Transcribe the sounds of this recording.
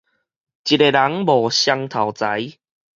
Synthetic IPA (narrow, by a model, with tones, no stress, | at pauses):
t͡ɕi˨˩e˨˩la˨˦ŋbɔ˨˩ɕja˧ŋt̪ʰa˨˩wt͡sa˨˦j